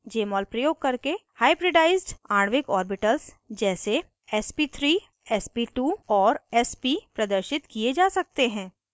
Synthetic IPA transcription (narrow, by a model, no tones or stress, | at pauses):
d͡ʒeːmɔːlpɾɐjoːɡ̚kɐɾkehaːɪbɾɪɖaːɪzɖaːɽ̃ʋɪkɔːɾbɪʈəls | d͡ʒɛːse | ɛspit̪ʰɾiː | ɛspiʈuːɔːɾɛspipɾɐd̪əɾʃɪt̪kied͡ʒaːsɐk̚t̪eɦɛ̃ː